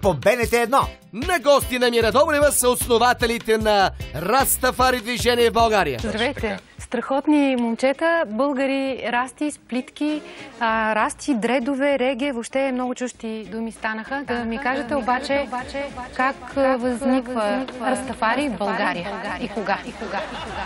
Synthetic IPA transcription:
pobɛnɛt̪ɛːd̪nɔ | nɐɡɔst̪inɐmiɾɐd̪ɔbɾɛvəsɐot̪snovat̪ɛlit̪ɛnɐɾɐst̪ɐfaɾid̪viʒɛnʲiɛvbɐlˠɡaɾijə̰zd̪ɾɐvɛjt̪ɛst̪ɾɐxɔt̪nimont͡ʃɛt̪əbɤlˠɡəɾiɾast̪isplit̪kʲiəɾast̪id̪ɾɛd̪ʊvɛɾɛɡʲɛvopʃt̪ɛmnɔɡʊt͡ʃuʃt̪id̪umist̪anəxəmikaʒət̪ɛobat͡ʃɛaɛkakvəznikvəikɾɐst̪ɐfaɾibɐlˠɡaɾijəaikoɡaikoɡaɡa

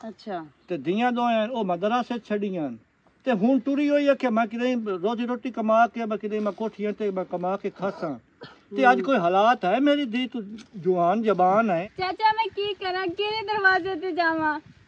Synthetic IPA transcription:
ətːʃʰaːt̪eːd̪ɪːãːd̪õːjãːnoːmə̃d̪əɾãːseːt͡ʃʰəɖɪjãːn | t̪eːɦʊːnʈʊɾiːɦoːiːaːkʰeːmãːkɪd̪ãːĩːɾoːt̪iːɾoːʈiːkəmaːkeːmãkɪd̪aːĩːmãːkoːʈʰiːãːt̪eːmãːkəmaːkeːkʰasãː | t̪eːəd͡ʒkoːiːɦəlaːt̪ɦɛːmeːɾiːd̪iːt̪d͡ʒʊʋaːnd͡ʒəbaːnɛːt͡ʃaːt͡ʃaːmɛ̃ːkiːkəɾãːkeɾeːd̪əɾʋaːzeːt̪eːd͡ʒaːʋãː

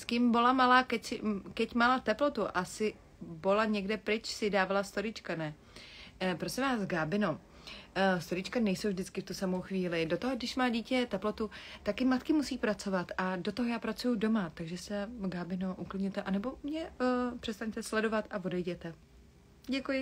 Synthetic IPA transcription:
skɪmbo̞lamalaːkɛcsɪkɛcmalat̪ɛplo̞t̪uʔasɪ | bolaɲɛɡdɛpɾɪt͡ʃsɪdaːvalast̪oɾɪt͡ʃkanɛ | pɾosɪ̃mvaːzɡaːbɪno | st̪oɾɪt͡ʃkanɛjsowvʒdɪt͡skɪft̪usamo̞wxviːlɪdot̪oɦoɡdɪʃmaːɟiːcɛt̪ɛplo̞t̪ut̪akjɪmat̪kɪmusiːpɾat͡so̞vat̪ʔadot̪oɦojaːpɾat͡sujudo̞mat̪aɡʒɛsɛɡaːbɪnoʔuklɪdɲɛt̪ɛʔanɛbo̞mɲɛpr̝̥ɛst̪aɲt̪ɛslɛdo̞vat̪avo̞dɛjɟɛt̪ɛ | ɟɛkujɪ

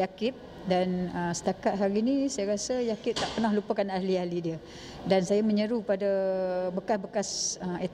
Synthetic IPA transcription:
jakɪt̪̚ | danəsə̥t̪akat̪̚ɦaɾinĩsajaɾasəjakɪt̪̚t̪aʔpənahlupakanahlialidiə | dansajamə̃ɲəɾupadabəkasbəkasəmet̪

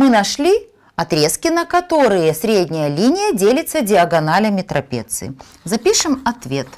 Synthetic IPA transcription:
mɨnɐʂlʲi | ɐt̪ɾʲe̞skʲɪnəkɐt̪o̞ɾɨjəsɾʲedʲnʲɪjəlʲinʲɪjədʲelʲɪt̪sədʲɪɐɡɐnalʲəmʲɪt̪ɾʔɐpʲḛt̪sɨ̰ | zɐpʲiʂɨmɐt̪vʲet̪

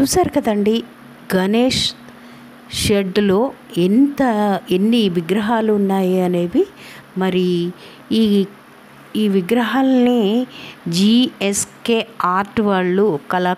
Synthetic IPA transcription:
t͡ʃuːsaːɾuɡɐd̪ɐɳɖi | ɡɐneːʂ | ʃeɖlo̞ː | ent̪ɐenːiʋiɡɾɐɦaːluːnːaːjiɐne̞ːʋi | mɐɾi | iːʋiɡɾɐɦaːlɐni | d͡ʒieskeːaːɾʈʋaːɭːukɐla

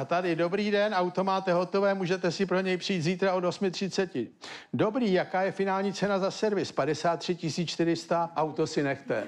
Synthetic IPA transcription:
at̪adɪdo̞bɾiːdɛnʔawt̪o̞maːt̪ɛɦo̞t̪o̞vɛːmuːʒɛt̪ɛsɪpɾo̞ɲɛjpr̝̥ɪːt̪ziːt̪ɾao̞do̞smɪt̪r̝̥ɪtt͡sɛcɪdo̞bɾiːjakaːjɛfɪnaːlɲiːt͡sɛnazasɛɾvɪspadɛsaːt̪ːr̝̥ɪcɪsiːt͡st͡ʃt̪ɪɾɪst̪aʔawt̪o̞sɪnɛxt̪ɛ

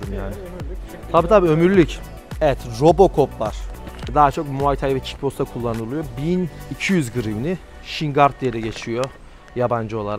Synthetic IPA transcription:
ɯmjaːnɪ | t̪ʰabiːt̪ʰabiːø̞myɾlʲyc | ɛvɛt̪ɾo̞bo̞kʰo̞pva̰ɾ̥ɛd̪aɦat͡ʃʰokmuait̪ʰajvɛt͡ʃʰi̥cbʰo̞st̪akʰulˠːanɯlˠɯjo̞binicʰijyzɡɯɾimnʲi | ʃiŋɡaɾt̪̚ːijed̪ɛɟe̞t͡ʃʰijo̞ | jaband͡ʒɯo̞lˠaɾak

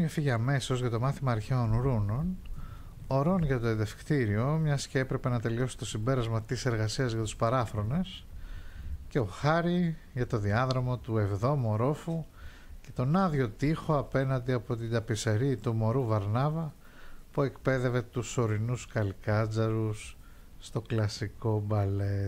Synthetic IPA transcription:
ɲɐfiʝeɐme̞so̞zʝɐt̪o̞mɐθimɐːɾçeonɾuno̞n | oɾo̞nʝɐt̪oenðe̞fkt̪iɾio̞mɲɐsceepɾe̞pe̞nɐt̪e̞lio̞si̥t̪o̞simbe̞ɾɐzmɐt̪ise̞ɾɣɐsiɐzʝɐt̪u̥spɐɾɐfɾo̞ne̞s | ce̞o̞xɐɾi | ʝɐt̪o̞ðiɐðɾomot̪ue̞vðo̞mo̞ɾo̞fu | ce̞t̪o̞nɐðʝo̞t̪ixo̞ɐpe̞nɐnd̪iɐpo̞t̪id̪ɐpiseɾit̪umo̞ɾuvɐɾnɐvɐ | pue̞kpe̞ðe̞ve̞t̪uso̞ɾinuskɐlkɐd͡zɐɾusː | t̪o̞klɐsiko̞bɐle

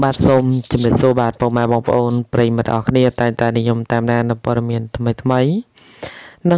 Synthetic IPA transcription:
ɓaːt̪̚soːmt͡ɕɑmriəp̚suəɓaːt̪̚poːmaɛɓɑːŋpə̆ʔoːnprəjimɨt̪̚ʔɑːkʰniət̪aɛŋt̪aɛnijumt̪aɛmɗaːnɨwpŏəɗɑmiənt̪ʰməjt̪ʰməj | nɨ

